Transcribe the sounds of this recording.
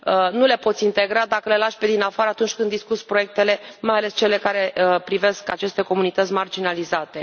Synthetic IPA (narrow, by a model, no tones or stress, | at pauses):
nule̞po̞t̪sʲint̪e̞ɡɾad̪akəle̞laʃped̪inafaɾəat̪unt͡ʃʲkɨnd̪ːiskut̪sʲpɾo̞je̞k̚t̪e̞le̞majale̞st͡ʃe̞le̞kaɾe̞pɾive̞skat͡ʃe̞st̪e̞ko̞munit̪ət̪sʲmard͡ʒinalizat̪e̞